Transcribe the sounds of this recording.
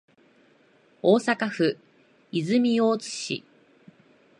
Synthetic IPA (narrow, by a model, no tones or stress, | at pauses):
oːsakaɸɯ̟ | izɨmʲijo̞ːt͡sɨ̥ɕḭ